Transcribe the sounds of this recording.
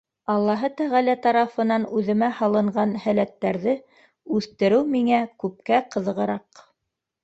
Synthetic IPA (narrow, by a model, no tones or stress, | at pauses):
ɑlˠːɑɦɤt̪æʁælæt̪ɑɾɑfɤ̆nɑnʉðɘ̆mæhɑlˠɤ̆ɴɢɑnhælæt̪ːæɾðɘ | ʉθt̪ɘ̆ɾɘwmiŋækʉp̚kæqɤ̆ðɤ̆ʁɤ̆ɾɑq